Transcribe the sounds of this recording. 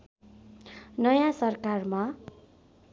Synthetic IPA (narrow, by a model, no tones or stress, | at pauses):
nʌjãsʌrkarma